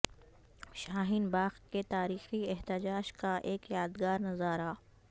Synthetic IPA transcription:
ʃaːɦɪnbaːxket̪aːɾiːxiɪɦt̪ɪd͡ʒaːd͡ʒkaʔeːkjaːd̪ɡaːɾnɐzaːɾaː

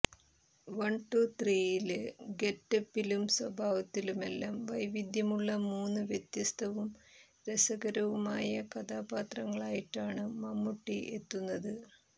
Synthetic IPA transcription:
ʋɐɳʈut̪riːjilɡe̞ʈːɐpːilumswɐbʱaːʋɐt̪ːilume̞lːaːmʋɐjʋid̪ʱjɐmuɭːɐmuːnːɨʋjet̪jɐst̪ʰɐʋum | ɾesɐɡɐɾɐʋumaːjɐkɐd̪aːbaːt̪rɐŋːɐɭaːjiʈːaːɳɨmɐmːuʈːiʔe̞̰t̪ːunːɐðɨ

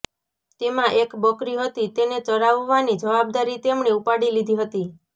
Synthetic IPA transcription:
t̪emãʔekbəkɾiɦət̪it̪enet̪əɽaʋːanid͡ʒəʋab̚d̪aɾit̪emɳeupaɽilid̪ʱiɦət̪i

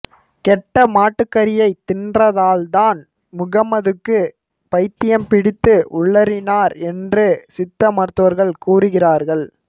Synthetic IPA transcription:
kɛʈːɐmaːʈːɯkːɐɾɪjɐɪt̪ɪnrɐðaːlt̪aːn | mʊɣɐmɐðɯkːɯ | pɐɪt̪ːɪjɐmpɪɽɪt̪ːɯʔʊɭːɐɾɪnaːɾɛndrɯsɪt̪ːɐmɐɾɯt̪ːɯʋɐɾɣɐɭkuːrɯɣɪraːɾɣɐɭ

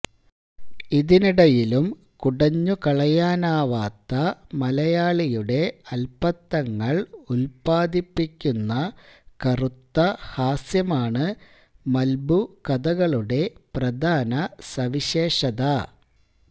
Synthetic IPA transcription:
iðiniɽɐjilum | kuɽɐɲːukɐɭɐjaːnaːʋaːt̪ːɐmɐlɐjaːɭijuɽe̞ɐlpɐt̪ːɐŋːɐɭulpaːd̪ipːikʲːunːɐkɐrut̪ːɐhaːsjɐmaːɳɨ | mɐlbukɐðɐɣɐɭuɽe̞prɐd̪ʱaːnɐsɐʋiɕe̞ːʂɐðɐ

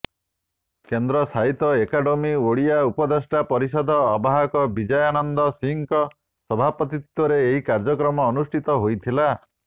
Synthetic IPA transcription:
kend̪ɾɔsaɦit̪ɔekaɖomioɭiaupɔd̪esʈapɔɾisɔd̪ʱɔːbʱaɦakɔbid͡ʒɔjanɔnd̪ɔsiŋkɔ | sɔbʱapɔt̪it̪wɔɾeːɦikaɾd͡ʒɔkɾɔmɔːnusʈʰit̪ɔɦojt̪ʰila

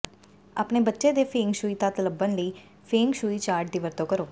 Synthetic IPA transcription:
a̰ːpneːbətːʃeːd̪eːpʰẽːŋɡʃuːiːt̪ãːt̪ələbənləiː | pʰeːŋɡʃuːiːt͡ʃaːɾʈ̚d̪iːʋəɾt̪õːkəɾoː

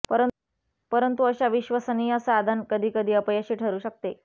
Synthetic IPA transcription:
pəɾə | pəɾənt̪uəɕaʋiɕʋəsəniːəsad̪ʱənkəd̪ʱiːkəd̪ʱiːəpəjəɕiːʈʰəɾuːɕək̚t̪e

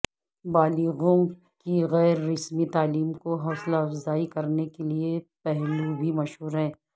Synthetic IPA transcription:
baːliɣõ | kiɣɛːɾːɪsmit̪aːliːmkoɦɔːslaɐfzaːikɐɾnekeliepɛɦlubʱimɐʃɦuːɾɦɛ̃ː

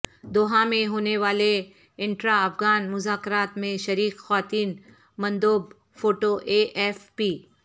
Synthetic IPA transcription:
d̪oːɦãmẽɦoːneʋaːle | ɪ̃ɳʈɾaɐfɣaːnmʊzaːkɾaːt̪mẽʃɐɾiːkxɐʋaːt̪iːn | mɐ̃nd̪oːb | foːʈoʔeːʔɛːfpiː

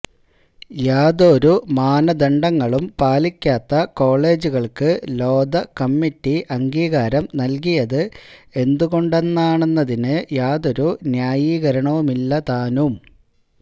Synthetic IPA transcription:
jaːd̪oɾumaːnɐd̪ɐɳɖɐŋːɐɭumpaːlikʲːaːt̪ːɐko̞ːɭe̞ːd͡ʑuɣɐɭkɨlo̞ːd̪ɐkɐmːiʈːiʔɐŋɡiːɣaːɾɐmnɐlk̬ijɐðɨe̞nd̪uɣo̞ɳɖe̞nːaːɳe̞nːɐðinɨjaːðo̞ɾunjaːjiːɣɐɾɐɳɐʋumilːɐt̪aːnum

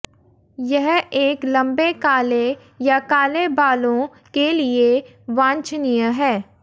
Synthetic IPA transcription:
jɛɦeːklɐ̃mbekaːle | jakaːlebaːlõ | kelie | ʋãːɲt͡ʃnijaɦɛː

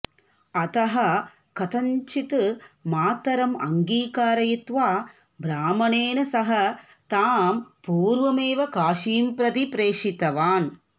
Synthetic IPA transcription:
ɐt̪ɐɦɐ̆ | kɐt̪ɐɲt͡ʃit̪ɨmaːt̪ɐɾɐmɐ̰ŋɡiːkaːɾɐjit̪ʋaː | bɾaːmɐneːnɐsɐɦɐ | t̪aːmpuːɾʋɐmeːʋɐkaːʃiːmpɾɐt̪ipɾeːʂit̪ɐʋaːn

